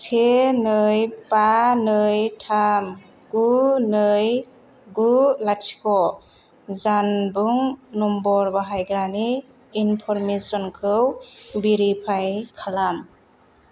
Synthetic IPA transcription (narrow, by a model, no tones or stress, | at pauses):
tʰenɯjpanɯjtʰam | ɡunɯj | ɡulatʰi̥kʰɔ | zanbuŋnɔmbɔɾbaɦajɡɾaniː | npʰɔɾmesɔnkʰɯwbiɾipʰajkʰalam